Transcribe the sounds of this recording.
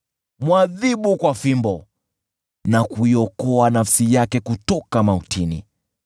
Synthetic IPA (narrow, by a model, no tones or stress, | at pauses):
mwaðiɓukwafimbɔ | nakuiɔkɔanafsijakɛkutɔkamautʰinḭ